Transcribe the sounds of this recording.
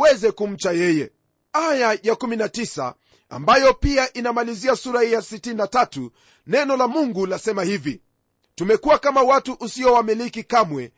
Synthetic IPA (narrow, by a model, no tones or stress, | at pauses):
wɛzɛkum̩t͡ʃajɛjɛ | ajajakuminatisa̰ | a̰mbajɔpiaʔinamaliziasuɾahijasitininatatu | nɛnɔlamuŋɡulasɛmahivi | tumɛkuwakamawatuʔusiɔwamilikikamwɛ